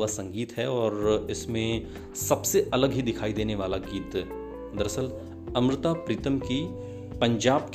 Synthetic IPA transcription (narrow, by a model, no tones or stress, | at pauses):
asɐ̃ŋɡiːt̪ɦɛɔːɾɪsmẽ | sɐbseʔɐləɡɦid̪ɪkʰaːid̪eːneʋaːlaɡiːt̪ | d̪əɾəsəl | ɐ̃mɾɪt̪apɾiːt̪əmki | pɐ̃ɲd͡ʒaːbk